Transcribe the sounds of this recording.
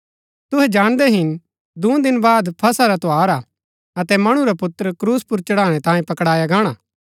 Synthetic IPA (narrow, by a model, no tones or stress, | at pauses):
t̪ʊɦɛd͡ʒaːɽ̃d̪ɛɦɪn | d̪ũd̪ɪnbaːd̪pʰɐsaɾat̪oaːɾa | ɐt̪ɛmɐɽ̃ũɾapʊt̪ːɾkɾuːspʊɾt͡ʃɐɽaːɽ̃ɛ̃t̪ãːjẽpɐkɽaːjaɡaːɽ̃aː